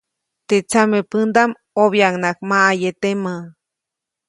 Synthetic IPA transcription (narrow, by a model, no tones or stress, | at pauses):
t̪et͡samepɨnd̪am | oβjaŋnakmaajet̪ema